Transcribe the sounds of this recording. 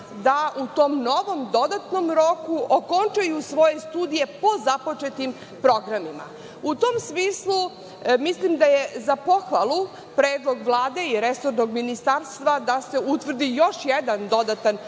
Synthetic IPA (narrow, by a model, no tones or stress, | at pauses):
d̪aʔut̪omno̞ʋo̞md̪o̞d̪at̪no̞mɾo̞kuʔoko̞nt͡ʃajusʋo̞jest̪uːd̪ije̞po̞zapo̞t͡ʃet̪im | pɾo̞ɡɾamima̰ | ut̪oːmsmiːslˠu | mislimd̪ajezapo̞xʋalˠu | pɾeːd̪lˠo̞ɡʋlˠaːd̪e̞iɾesoɾnoɡminist̪aːɾst̪ʋad̪ase̞ut̪ʋr̩d̪ijo̞ʃjed̪and̪o̞d̪at̪an